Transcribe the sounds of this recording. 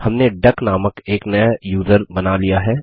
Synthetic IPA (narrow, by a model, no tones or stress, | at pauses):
hɐmneɖɐknaːməkeːknɐjajuːzəɾbɐnalijaɦɛː